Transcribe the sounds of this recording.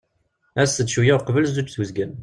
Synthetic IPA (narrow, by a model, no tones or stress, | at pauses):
æsːəd̪ʃujaqvəlzut͡ʃːθəzɡən